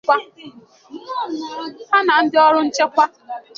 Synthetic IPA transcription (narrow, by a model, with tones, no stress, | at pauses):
a˦˨ | a˦na˨n̩˦dɪ˦ɔ˦ɾʊ˦n̩˦t͡ʃe˦kʷa˦